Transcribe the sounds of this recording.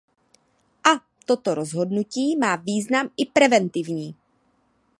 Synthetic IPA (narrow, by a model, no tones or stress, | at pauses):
ʔa | t̪o̞t̪o̞ɾo̞zɦo̞dnuciːmaːviːznamɪpɾɛvɛnt̪ɪvɲiː